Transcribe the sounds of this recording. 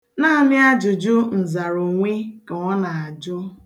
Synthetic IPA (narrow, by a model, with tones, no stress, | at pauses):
na˦a˨mɪ˦a˦d͡ʒʊ˨d͡ʒʊ˦n̩˨za˨ɾo˨ŋʷi˦ka˨ŋʷɔ˦na˨a˨d͡ʒʊ˦